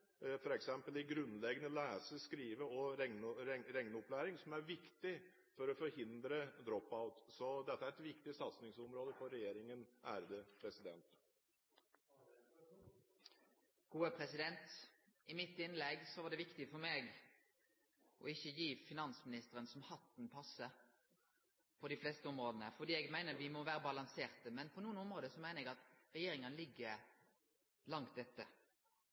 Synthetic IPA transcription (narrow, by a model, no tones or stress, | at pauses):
fɔɾɛksɛmpəlɪɡɾʉnːlɛɡənəlæːsəskɾiːʋəɔ | ɾɛŋnəɔplæːɾɪŋsɔmæɾʋɪkt̪ɪ | fɔɾɔfɔɾhɪnd̪ɾəd̪ɾɔpːaʊt̪sɔd̪ɛt̪ːəæɾɛt̪ʋɪkt̪ɪsɑt̪snɪŋsɔmɾoːd̪əfɔɾɛjeːɾɪŋənæːɾəd̪əpʰɾɛsɪd̪ɛnt̪ | ɡ̥uːəpʰɾɛsɪd̪ɛnt̪ɪmɪt̪ɪnlɛɡsɔʋɑːɖ̪ɛʋɪkt̪ɪfɔɾmeːɡ | ʔɔ̰ɪçːəjiːfɪnɑnsmɪnɪst̪əʁənsɔmhɑt̪ːnpʰɑsə | pʰɔd̪ɪfleːst̪əɔmʁoːd̪ənəfɔɖ̪iːɛːɡmæɪnəɾʋɪmɔʋæːɾəbɑlɑnseːʁt̪əmɛnpʰɔnuːənʊmʁoːd̪əsɔmæɪnəɛɡɑt̪ʁɛjeːɾɪŋənlɪɡːə | lɑŋt̪̚d̪ɛt̪ːə